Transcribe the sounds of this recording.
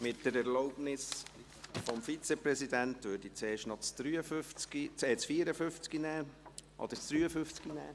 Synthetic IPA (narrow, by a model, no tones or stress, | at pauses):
mɪtːəɾɛɾloʊpnɪs | fɔmfit͡sɛpɾɛsidæntʋøːɾd̥it͡seːʃtnɔt͡sd̪̥ɾyəføft͡skit͡seːt͡sfiːɾəfʏft͡skinæːʔɔ̰d̥̪ət͡sd̥ɾyːəfʏft͡skinæ̰ː